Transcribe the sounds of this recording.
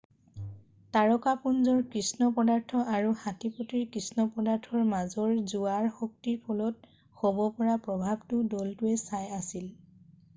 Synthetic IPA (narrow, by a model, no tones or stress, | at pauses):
taɹɔkapunzɔɹkɹisnɔpɔdaɹtʰɔʔaɹuhatipotiɹkɹisnɔpɔdaɹtʰɔɹmazɔɹzuaɹxɔk̚tiɹpʰɔlɔt̚ | hobɔpɔɹapɹɔbʱabtʊdɔltʊɛsajasil